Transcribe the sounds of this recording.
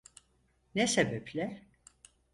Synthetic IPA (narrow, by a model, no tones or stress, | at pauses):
nɛsebɛplʲɛ